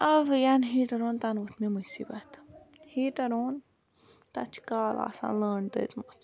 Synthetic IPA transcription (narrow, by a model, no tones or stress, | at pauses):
ɐʋjanɦiːʈɐɾoːnt̪ɐnut̪ʰmemusḭːbɐt̪ | hiːʈɐɾoːn | t̪ɐ̰t͡ʃʰkaːla̰ːsã̰ːləːɳd̪ə̰t͡smɐt͡s